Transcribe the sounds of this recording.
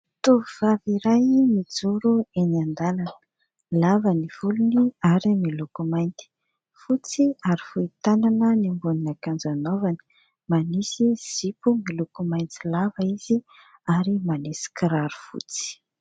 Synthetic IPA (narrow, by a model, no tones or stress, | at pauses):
t̪uviv̥aviɾajmid͡zuɾueniand̪alanə̥ | lavəniv̥uluniaɾimilukumajnt̪i̥ | fut͡siaɾifuit̪ananənimbuninakand͡zanovani̥ | manisiz̥ipumilukumajnt͡silavəiz̥i | aɾimanisi̥kiɾaɾu̥fṵt͡si̥